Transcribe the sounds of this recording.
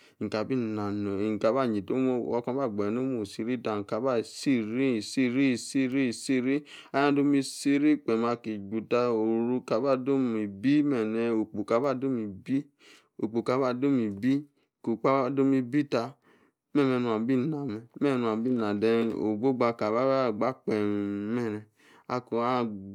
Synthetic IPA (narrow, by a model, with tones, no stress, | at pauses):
ŋ̩˨ka˨bi˦˨na˨no˨i˨ŋ̩˨ka˨ba˦˨ɲi˨to˦mo˦˨ɔ˧˦kɔ˧˦ba˦˨ɡ͡bɛ˨no˦mo˨si˧ɾi˦ta˧˨ŋ̩˨ka˨˦ba˦˨si˦˨ɾi˦i˨si˦ɾi˦˨si˦ɾi˦˨si˦ɾi˦a˨˦jã˦do˦mi˧si˧ɾi˦k͡pɛ˨ma˧ki˨ɡ͡bu˨ta˧o˨ɾu˧ka˨ba˦˨do˦mi˨bi˦mɛ˨nɛ˧o˨k͡pu˨ka˨˦ba˦˨do˦mi˨bi˦ | o˨k͡po˨ka˨˦ba˦˨do˦mi˨bi˦˨ | ko˨k͡pa˦ba˦˨do˦mi˧bi˦ta˧ | mɛ˦˨mɛ˧nũ˧˨a˨bi˦˨na˨mɛ˨mɛ˦˧˨nũ˧a˨bi˦˨na˨dɛ˧no̰˨ɡ͡bo˦ɡ͡ba˧ka˨ba˦ba˦˨ɡ͡ba˦k͡pɛ˨mmɛ˦˨nɛ˨ | a˧ko˨a˦